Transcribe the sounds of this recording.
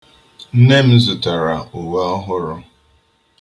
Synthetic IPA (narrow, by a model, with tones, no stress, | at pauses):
n̩˦ne˦m̩˦zʊ˨ta˨ɾa˨u˨wa˦ɔ˦ɦʊ˦ɾʊ˦